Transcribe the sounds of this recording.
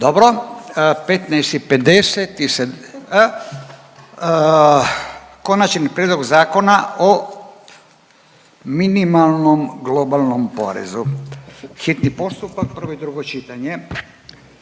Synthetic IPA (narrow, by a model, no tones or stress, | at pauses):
d̪obɾopet̪nɛjst̪iped̪eset̪ise | ko̞nat͡ʃnipɾjed̪lo̞ɡzaːko̞nao | minimalˠnomɡlˠobalˠnompo̰ɾḛzu | xit̪nipo̞st̪upak̚pər̩ʋoid̪ɾuɡot͡ʃit̪aɲe